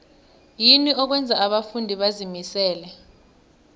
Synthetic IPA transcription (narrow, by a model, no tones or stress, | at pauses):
jiniɔk̬wɛnd͡zʱaaɓafundʱiɓazimisɛːlɛ